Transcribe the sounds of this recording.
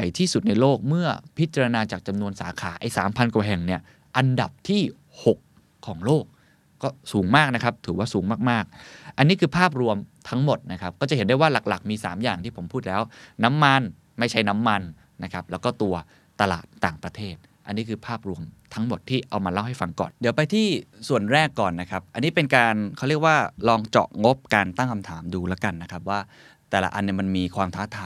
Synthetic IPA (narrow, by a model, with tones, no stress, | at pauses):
a˨˩jt̪ʰiː˥˩su˨˩t̪̚na˧jloː˥˩k̚mɯ˥˩ɐpʰi˦˥t̪̚t͡ɕa˧ɾa˧naː˧t͡ɕaː˨˩k̚t͡ɕa˧mnu˧ənsaː˩˦kʰaː˩˦ʔa˧jsaː˩˦mpʰa˧nkwaː˨˩ɦɛ˨˩ŋni˥˩ɐ | ʔa˧nda˨˩p̚t̪ʰiː˥˩ | ho˨˩kʰː | ɔː˩˦ŋloː˥˩k̚ː | ɔː˥˩suː˩˦ŋmaː˥˩k̚na˦˥kʰa˦˥p̚t̪ʰɯː˩˦waː˥˩suː˩˦ŋmaː˥˩k̚maː˥˩k̚ʔa˧nːiː˦˥kʰɯː˧pʰaː˥˩p̬̚ɾu˧əmt̪ʰa˦˥ŋmo˨˩t̪̚na˦˥kʰa˦˥p̚kɔː˥˩t͡ɕa˨˩he˩˦ndu˥˩jwaː˥˩la˨˩k̚la˨˩k̚miː˧saː˩˦mjaː˨˩ŋt̪ʰiː˥˩pʰo˩˦mpʰuː˥˩t̪̚lɛː˦˥wna˦˥mːa˧n | ma˥˩jt͡ɕʰa˦˥jna˦˥mːa˧nː | a˦˥kʰa˦˥p̚lɛː˦˥wkɔː˥˩t̪u˧ɐ | t̪a˧la̰ː˨˩t̪ːaː˨˩ŋpɾa˧t̪ʰeː˥˩t̪̚ | ʔa˧nːi˦˥kʰɯː˧pʰaː˥˩p̚ɾu˧əmt̪ʰa˦˥ŋmo˨˩t̪ʰːiː˥˩ʔa˧wmaː˧la˥˩wɦa˥˩jfa˧ŋkɔ̰ː˨˩ndi˨˩˦əwpa˧jt̪ʰiː˥˩su˨˩ənɾɛː˥˩kːɔː˨˩nːa˦˥kʰa˦˥p̚ʔa˧nːiː˦˥pe˧nkaː˧nkʰa˥˩ɾi˥˩ək̚waː˥˩lɔː˧ŋt͡ɕɔ̰˨˩ŋo˦˥p̚kaː˧nt̪a˥˩ŋkʰa˧mt̪ʰaː˩˦mduː˧lɛ˦˥ka˧nːa˦˥kʰa˦˥p̚waː˥˩ | t̪ɛː˨˩la̰˧˩ʔa˧nːi˧˥˩ma˧nmiː˧kʰwaː˧mt̪ʰaː˦˥t̪ʰaː˧˦